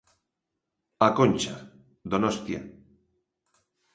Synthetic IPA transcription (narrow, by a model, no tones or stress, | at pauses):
akonʲt͡ʃa | d̪onost̪ja̰